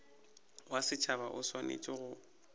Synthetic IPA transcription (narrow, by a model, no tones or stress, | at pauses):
wasɪt͡ʃʰaβaʔʊswanḛt͡ʃʼɪɣʊ